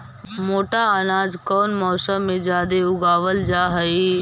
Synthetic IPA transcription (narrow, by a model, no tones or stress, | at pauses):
moːʈaənaːd͡ʒkɔːnmɔːsəmːẽd͡ʒaːd̪eʊɡaːʋəld͡ʒaːɦəi